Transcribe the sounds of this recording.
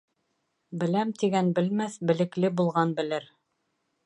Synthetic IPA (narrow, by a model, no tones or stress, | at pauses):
bɘ̆læmt̪iɡænbɘ̆lmæθbɘ̆lɘ̆klɘbulˠʁɑnbɘ̆lɘɾ